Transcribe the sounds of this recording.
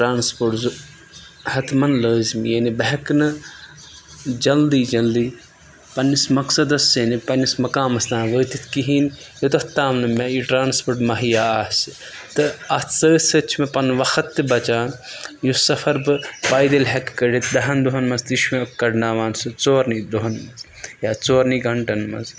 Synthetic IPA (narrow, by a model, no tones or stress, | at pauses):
ʈɾaːnspoʈzu | hɐt̪mɐnləːzmjenibɐɦɐknɨ | d͡ʒɐld̪iːd͡ʒɐld̪iː | pɐnːismɐksɐd̪ɐsːenipɐnːismɐkãːmɐsd̪ãːnʋəːt̪it̪ʰkiɦiːnjot̪ɐht̪ːaːmnɨmaiʈɾaːnspoʈmɐɦijaːaːs | t̪ɨɐt̪ʰsəːsɐt͡ʃʰimepɐnʋɐxʰɐt̪ːɨbɐt͡ʃaːjusɐpʰɐɾbɨbaːjd̪ɐlɦɛkkɐɽit̪d̪ɐɦɐnd̪uɦɐnmɐst̪iʃmekɐɖnaːʋaːnsɨt͡soːɾnid̪uɦɐn | jaːt͡soːɾniɡʱɐɳʈɐnmɐ̰z